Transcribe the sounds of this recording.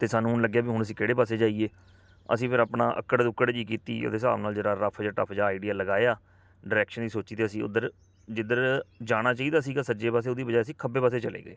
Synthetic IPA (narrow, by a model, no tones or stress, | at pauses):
t̪eːsaːnũːɦʊnləɡːjaːbiːɦʊɳəsĩːkeːɽeːpaːseːd͡ʒaːieː | ə̰sĩːpʰɪɾaːpɳãːʔə̰kːəɽd̪ʊkːəɽd͡ʒiːk̬iːt̪ḭːo̰t̪eːsa̰ːʋnaːld͡ʒeːɽaːɾəpʰd͡ʒãːʈə̰pʰd͡ʒãːɪɖijaːləɡaːeaː | ɖəɾɛːkʃənd̪iːsoːt͡ʃiːt̪eːəsĩːʊ̰d̪əɾ | d͡ʒɪd̪əɾd͡ʒaːɽ̃aːt͡ʃaːiːd̪aːsiːɡaːsəd͡ʒeːpaːs̬eːoːd̪iːbəd͡ʒaːəsĩːkʰəbeːpaːs̬eːt͡ʃəlḛːɡəeː